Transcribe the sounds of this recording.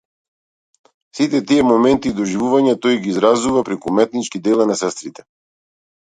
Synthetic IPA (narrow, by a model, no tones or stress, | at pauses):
sit̪ɛt̪iɛmɔmɛnt̪iːd̪ɔʒivuvaɲat̪ɔjɡiːzɾazuvapɾɛkumɛt̪̚nit͡ʃkid̪ɛlˠanasɛst̪ɾit̪ɛ̥